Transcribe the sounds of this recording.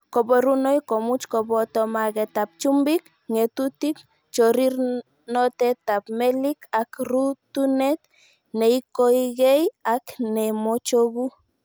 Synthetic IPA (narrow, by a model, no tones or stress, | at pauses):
kɔbɔɾunojkomut͡ʃkɔbɔtɔmaɣɛtap̚t͡ʃumbik | ŋetutik | t͡ʃɔɾir | nɔtɛtapmɛlikakɾutunɛt̪ | neikoiɣejaknɛmot͡ʃoɣu